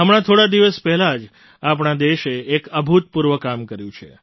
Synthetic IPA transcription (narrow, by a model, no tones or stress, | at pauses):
ɦəmɽ̃at̪ʰoɽad̪iʋəspɛɦɛlad͡ʒ | ap̬ɳ̃ad̪eʃeːkəbʱut̪̚puɾʋəkamkəɾjũt͡ʃʰḛ